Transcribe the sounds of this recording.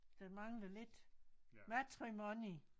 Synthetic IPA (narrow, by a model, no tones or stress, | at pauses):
d̥emɑ̈ŋləle̝d̥mæt͡sʰʁimɔni